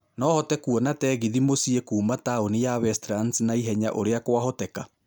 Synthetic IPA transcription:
nɔːhɔtɛkuɔnatɛːɣiðimosiekuːmataonijaβɛstɾansnaiɦɛɲaʔoɾeakwaɦɔtɛka

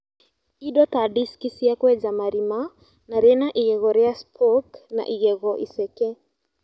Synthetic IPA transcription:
iɗɔtaɗiskisiakwɛd͡ʒamaɾima | naɾɛnaʔiɣɛɣɔɾɛaspʰɔkna̰ʔiɣɛɣɔʔḭsɛkɛ

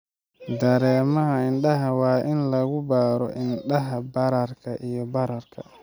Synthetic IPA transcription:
d̪ɐɾɛːmɐɦɐɪnɖɐɦɐwɑːʔɪnlɐɣʊbaːɾɔ̰ʔɪnɖɐɦɐbɐɾɐrkʰɐʔijɔbɐɾɐrkʰɐ̰

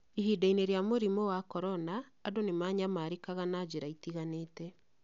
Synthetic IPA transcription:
iɦidaineɾjamoɾimɔwakɔɾɔnaː | donemaɲamaɾekaɣanad͡ʑeɾaitiɣaneːtɛ

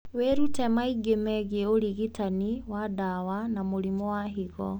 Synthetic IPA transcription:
weɾutɛmaiɡemɛɣeoɾiɣitaniwadawanamoɾimɔwaɦiɣɔ

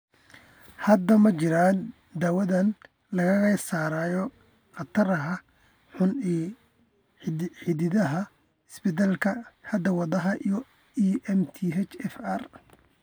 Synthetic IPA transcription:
hɐd̪ɐmɐt͡ʃɪɾaːn | d̪aːwɐðɐn | lɐɣɐɣɐsaːɾaːjɔ | qɐt̪ʰɐɾɐɦɐ | ħʊni | ħɪðɪðɐɦɐ | ɪsbɪt̪ɐlkʰɐhɐd̪ɐwɑðɐɦɐʔij | iɛmt̪ʰiɦɛt͡ʃɛfɐr

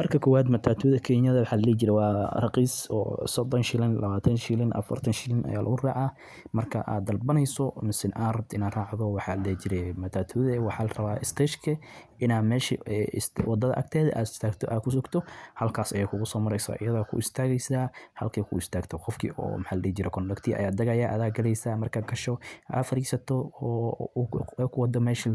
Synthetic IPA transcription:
mɐrkʰɐkʰɔwaːd̪mɐt̪ʰaːt̪ʰuːðɐkʰɛɲjɐðɐwɑħaːlɐlɛːt͡ʃɪɾɛwɑːrɑqiːsɔ̰ːsɔd̪ɔnʃɪlɪnlɐβaːt̪ʰɐnʃɪlɪnʔɐ̰fɐ̰rt̪ʰɐnʃɪlɪnʔɐ̰jaːlʔɐ̰ɣʊraːʕa | mɐrkʰɐʔa̰ːd̪ɐlbɐnɛjsɔmɪsɪnʔaːrɐb̚t̪ʰɪnaːraːʕðɔwɑħɑːllɛt͡ʃɪɾɛmɐt̪ʰaːt̪ʰuðɛwɑħɑːlɐrɐβaːʔɪst̪ʰɛːʃkʰɐʔɪnaːmɛːʃḭɛswɑd̪ɐðɐʔɐ̰ɡ̚t̪ʰɛːðɐʔa̰ːd̪ɪ̥st̪ʰaːɡt̪ʰɔʔaːkʰʊs̬ʊɡt̪ʰɔhɐlkʰaːsɐjaːkʰʊɣʊsɔːmɐɾɛjsa̰ʔɪ̰jɐðakʰʊ̰ɪst̪ʰaːɣɛjsaːhɐlkʰɛkʰʊ̰ɪst̪ʰaːɡt̪ʰɔqɔfkʰḭːʔɔ̰ːmħaːlɐlɛːt͡ʃɪɾɛkʰɔndɐkt̪ʰiːʔɐ̰jaːd̪ɐɣɐjaːʔɐðaːɡɐlɛjsaːmɐrkʰaːɡɐʃɔa̰ːfɐɾiːsɐt̪ʰɔː | kʰʊwɑd̪ɔmɛːʃi

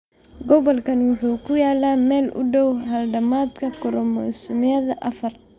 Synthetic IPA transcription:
ɡɔβɔlkʰɐnwʊħuːkʰʊjaːlaːmɛːlʊ̰ɖɔwɦɐlɖɐmaːd̪kʰɐkʰʊɾɔmɐsʊmɪɐðɐʔɐfɐr

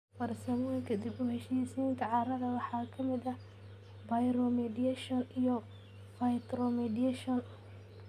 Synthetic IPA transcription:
wɐrsɐmɔŋkʰɐd̪ibʊhɛʃiːsint̪ʰɐʕɑɾɐðɐwɑħɑːkʰɐmɪd̪ɐ | bɐjɾɔmɛd̪iɛʃɔnijɔ | fɐjt̪ɾɔmɛdiɛʃɔn

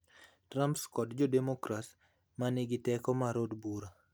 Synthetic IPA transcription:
tɾampskɔdd͡ʒɔdemokɾas | manɪɡɪtɛkɔmaɾodbuɾa

